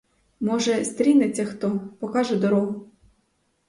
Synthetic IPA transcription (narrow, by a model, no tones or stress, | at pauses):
mɔʒɛst̪ɾʲinet͡sʲːɐxt̪ɔpɔkɑʒɛd̪ɔɾɔɦʊ